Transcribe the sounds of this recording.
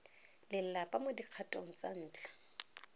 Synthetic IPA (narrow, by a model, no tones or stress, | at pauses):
lɪl̩lapʼamʊdiq͡χʰatʼoŋ̩t͡sʼan̩ːt͡ɬḁ